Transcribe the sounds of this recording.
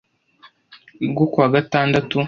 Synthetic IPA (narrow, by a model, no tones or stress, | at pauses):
ɡokwaːɡataːndatu